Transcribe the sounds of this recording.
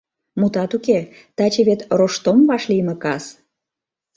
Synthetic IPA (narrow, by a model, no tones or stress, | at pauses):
mut̪ɑt̪uke | t̪ɑt͡ɕeβet̪roʃt̪omβɑʃliməkɑs